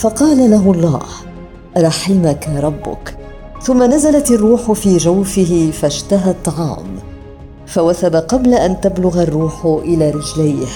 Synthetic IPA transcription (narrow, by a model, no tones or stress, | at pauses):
fɑqɑːlalaɦʊlˤːɑ̰ːh | ʔɾˤɑħɪmakaɾˤɑbːʊ̰k | θʊmːanazalat̪ɑrˤːuːħʊfiːd͡ʒawfɪɦɪfaʃt̪aɦat̪ˤːɑʕɑ̰ːm | fawaθabaqɑblaʔant̪ablʊɣarˤːuːħʊʔɪlaːɾɪd͡ʒlajh